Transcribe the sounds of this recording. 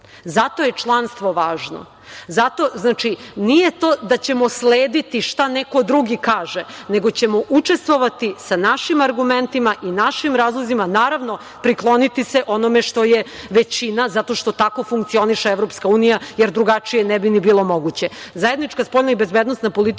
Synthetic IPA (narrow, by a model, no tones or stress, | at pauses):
zat̪o̞je̞t͡ʂlˠanst̪ʋo̞ʋaːʒno̰ | zat̪o̞znaːt͡ʃinije̞t̪oːd̪at͡ɕe̞mo̞sleːd̪it̪iʂt̪anekod̪ɾuɡikaːʒene̞ɡo̞t͡ɕemo̞ʔut͡ʂest̪ʋo̞ʋat̪isanaʃimaɾɡume̞nt̪imaʔinaʃimɾaːzlˠozimanaːɾaʋno̞ | pɾiklˠo̞nit̪iseʔo̞nomeʂt̪o̞jeʋet͡ɕinazat̪o̞ʃt̪o̞t̪ako̞fuŋk̚t̪sio̞niʃeeʋɾo̞pskauːnijajeɾd̪ɾuɡat͡ʂijenɛbinibiːlˠo̞mo̞ɡut͡ɕe̞zaje̞d̪nit͡ʃkaspo̞ʎnaibe̞zbed̪no̞st̪napo̞lit̪